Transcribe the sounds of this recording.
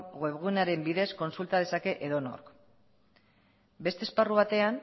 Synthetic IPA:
ɣwe̞βɣunaɾe̞mbiðe̞sko̞nsult̪að̞e̞sake̞ʔeðo̞no̰ɾk | be̞st̪esparuβ̞at̪e̞an

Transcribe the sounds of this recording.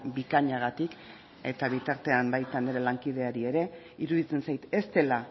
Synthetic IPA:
bikaɲaɣ̞at̪ik | e̞t̪aβ̞it̪aɾt̪e̞ambajt̪and̪iɾelaŋkið̞e̞aɾie̞ɾe̞ | iɾuðit͡se̞nsajt̪e̞st̪e̞la

